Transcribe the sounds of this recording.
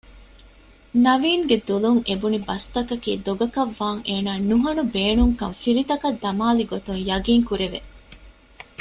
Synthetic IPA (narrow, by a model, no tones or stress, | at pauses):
nɐʋiːŋɡed̪uluŋʔebunibɐst̪ɐkɐkiːd̪oɡɐkɐʋːaːŋeːnaːnuɦɐnubeːnuŋkɐmfilit̪ɐkɐd̪ːɐmaːliɡot̪uŋjɐɡiːŋkuɾeʋe